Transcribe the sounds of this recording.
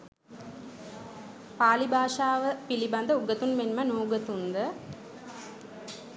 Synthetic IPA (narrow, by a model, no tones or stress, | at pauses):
paːlibʱaːʂaːʋəpiliband̪əuɡət̪unmenmənuːɡət̪und̪ə